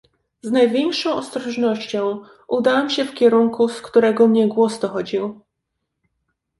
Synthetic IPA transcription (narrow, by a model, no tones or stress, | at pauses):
znajvʲjɛŋkʂɔ̃w̃ʔɔst̪ɾɔʐnɔɕt͡ɕɔ̃w̃ | ʔud̪awamɕɛfkʲɛɾuŋkuskt̪uɾɛɡɔmɲɛɡwɔsd̪ɔxɔd͡ʑiw